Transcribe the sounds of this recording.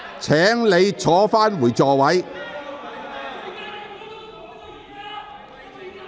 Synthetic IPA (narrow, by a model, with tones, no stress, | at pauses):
t͡sʰɛː˨˥ŋle˨˧jt͡sʰɔː˨˥faː˥nwuː˨˩jt͡sɔː˨wɐ˨˥j